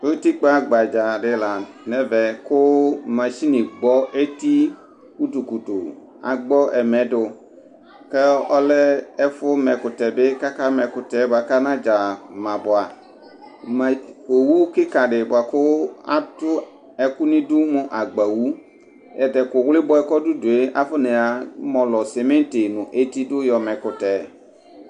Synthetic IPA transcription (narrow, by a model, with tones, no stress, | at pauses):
o˦t̪i˦k͡pa˦ɡ͡ba˨d͡ʒa˨ɖɪ˨la˨ | nɛ˦vɛ˨kʊ˦mã˨ʃi˦nĩ˨ɡ͡bɔ˦ʔe˦t̪i˦ | wu˦tu˨ku˨tʊ˨ | a̰˨ɡ͡bɔ˦ʔɛ˨mɛ˨˦dʊ˨ | kɛ˦ɔ˦lɛ˦ɛ˦fʊ˦mɛ˨kʊ˨t̪ɛ˨bɪ˦ka˦ka˦mɛ˨kʊ˨t̪ɛ˨˦ba˨ka˦nã˦d͡ʒa˨mã˨bʊ˨a˨ | m˨ko˨wu˦o˦kɪ˦ka˨ɖɪ˨bʊ˨a˨kʊ˦a̰˦tʊ˦ | ɛ˨ku˦nĩ˦dʊ˦mʊ̃˦ʔa˨ɡ͡ba˨wu˦ | ɛ˨dɛ˨kʊ˨wlɪ˦bɔ˦ɛ˦kɔ˦du˦dʊ˨e˦ʔa˦fʊ˦nẽ˨a˨mɔ̃˨lɔ˨sɛ˨me˦n˦te˨nʊ̃˨ʔe˦t̪i˦dʊ˦jɔ˨mɛ̃˨kʊ˨tɛ˨